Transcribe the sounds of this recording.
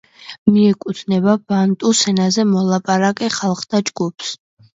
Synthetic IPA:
miɛkʼut̪ʰnɛbabant̪ʼusɛnazɛmɔlˠapʼaɾakʼɛχalˠχt̪ʰad͡ʒɡupʰs

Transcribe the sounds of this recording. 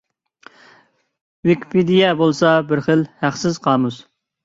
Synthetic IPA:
wikʲpʰid̪ijɛbolˠsɑbɪɾχəlhæqsɪz̥qʰɑːmuz̥

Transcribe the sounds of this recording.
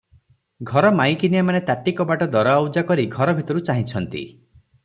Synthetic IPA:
ɡʱɔɾɔmaj̃kinijamanet̪aʈikɔbaʈɔd̪ɔɾɔawd͡ʒakɔɾiɡʱɔɾɔbʱit̪ɔɾut͡ʃaɦĩt͡ʃʰɔnt̪ḭ

